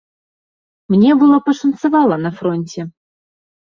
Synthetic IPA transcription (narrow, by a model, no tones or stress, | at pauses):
mnʲɛbɨlˠəpɐʂɐnt̪sɨvɑlˠənɐfɾonʲtʲɛ